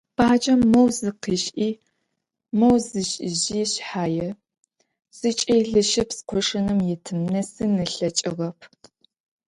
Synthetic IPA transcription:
b̥ʰaːd͡ʒɐmːɐwzɨqiːɕʔiː | mɐwzɨɕʼʑiːɕħaːjɛ | z̥ɨt͡ʃʼeːɮɨʃɪpsqʷɔʂɐnɨmjɛtʰɨmnɐsɨnɨɬɐt͡ʃʼɪʁɐpʰ

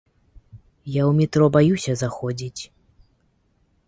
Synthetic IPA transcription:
jawmʲit̪ɾɔbajusʲɐzaxɔd͡zʲit͡sʲ

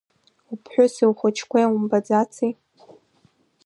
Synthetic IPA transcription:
upʰħʷᶣʊsiwχʷʊt͡ʃʰkʷʰejumbad͡zat͡sʰij

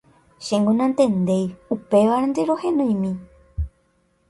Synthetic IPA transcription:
ʃẽŋɡũnãnt̪ẽ̞nd̪e̞jupe̞ʋaɾãnd̪eɾo̞hẽnõj̃mĩ

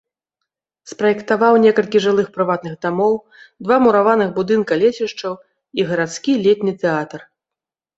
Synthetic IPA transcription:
spɾɐjɛkt̪avawnʲɛkɐlʲkʲiʐɨlˠɨxpɾɨvat̪̚nɨɣd̪amɔw | d̪vamuɾavanɨɣbud̪ɨnkɐlʲesʲiʂt͡ʂɐw | iɣɐɾat̪skʲilʲet̪ʲnʲɨt̪ɛat̪ɐr

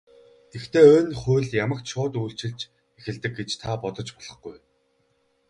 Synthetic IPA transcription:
t̪ext̪eːoːnχʊ̟ːɮjamə̆kt̪ʃʊːt̪ujɬt͡ɕɪ̆ɮt͡ɕ | exɘ̆ɮt̪ɘ̆k̚ɡet͡ɕt̪ʰapɔt̪ɞ̆t͡ɕpɔɮ̥ʁɞ̆χɡuj

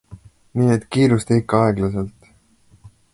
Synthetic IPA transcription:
niːet̪ːˑkiːɾust̪eikːɑɑeɡ̥lɑse̞lt̪

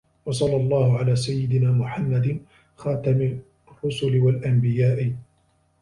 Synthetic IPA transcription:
wɑsˤɑlːɑlˤːɑːhʊʕalaːsajːɪd̪ɪnaːmʊħamːad̪ɪ | xɑːt̪amɪ | rˤːʊsʊlɪwalʔambɪjaːʔɪ

